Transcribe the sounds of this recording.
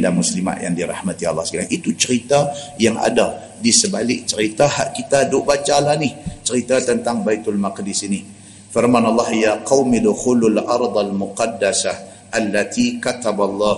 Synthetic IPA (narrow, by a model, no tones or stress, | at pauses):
ndamuslima̰ʔja̰ŋdiɾɑ̰hmat̪ia̰lˠːɑhsə̥kaɾaŋit̪ut͡ʃəɾit̪ajaŋʔa̰da | disəbalɪʔ̚t͡ʃəɾit̪aha̰ʔkit̪adʊʔbat͡ʃalahnɪht͡ʃəɾit̪at̪ənt̪aŋbait̪almaqdisini | fɪrmanɑlˠˤːɑhjaqawmid̪ʊxulalʔɑɾˤd̪ˤalmʊqɑdːasah | ʔalːat̪ʰikat̪abalˠˤːɑ